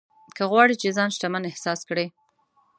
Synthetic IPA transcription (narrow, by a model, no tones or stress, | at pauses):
kəɣwɑɽit͡ʃezɑnʃt̪amanɪhsɑskɽe